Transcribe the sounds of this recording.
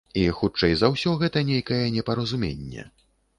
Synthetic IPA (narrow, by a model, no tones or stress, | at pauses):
ixut͡ʂɛjzɐwsʲɔɣɛt̪ɐnʲejkɐjɐnʲɛpɐɾɐzumʲḛnʲːɛ̰